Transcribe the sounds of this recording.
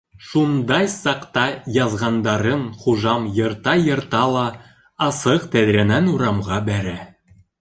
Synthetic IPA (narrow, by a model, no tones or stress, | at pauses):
ʃund̪ɑjsɑqt̪ɑjɑzʁɑnd̪ɑɾɤɴχuʒɑmjɤ̆ɾt̪ɑjɤ̆ɾt̪ɑlˠɑ | ɑsɤqt̪æðɾænænuɾɑmʁɑbæɾæ